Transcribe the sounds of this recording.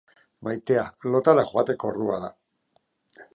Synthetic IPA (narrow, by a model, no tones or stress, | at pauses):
majt̪e̞alo̞t̪alaxuat̪e̞ko̞ːɾðua̰ða